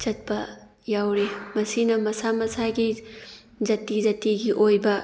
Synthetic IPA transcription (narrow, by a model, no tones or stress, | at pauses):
d͡ʒɐt̚pɐ | jawɾemɐsinɐmɐsamɐsaɡi | zɐtid͡ʒɐtiɡiʔojbɐ